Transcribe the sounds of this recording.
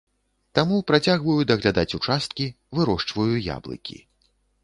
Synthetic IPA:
t̪amupɾat͡sʲaɣvɐjud̪ɐɣlʲad̪at͡sʲut͡ʂast̪̚kʲi | vɨɾɔʂt͡ʂvɐjuja̰blˠɨ̰kʲḭ

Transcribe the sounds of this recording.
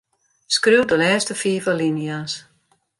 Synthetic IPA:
skriwdəlɛːstəfiːvəlinjas

